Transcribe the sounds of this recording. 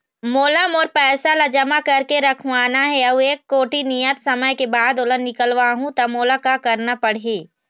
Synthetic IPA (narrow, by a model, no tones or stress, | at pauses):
moːləmɔːɾpɛːsalad͡ʒɐmakɐɾkeɾɐkʰʋaːnaɦɛɐueːkːoːʈinijət̪sɐməjkebaːd̪oːlənnːɪkəlʋaɦũt̪ɐmoːlakakɐɾnapɐɽ̤eː